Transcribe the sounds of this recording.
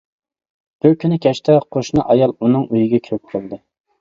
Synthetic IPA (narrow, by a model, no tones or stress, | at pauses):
b̥yɾkʲʰynɪkʲʰɛʃt̪ɛqʰoʃnɨʔɑjɑlˠunɨŋyjiɡʲɛkʲʰøk̚ʲqʰəlˠd̪ɨ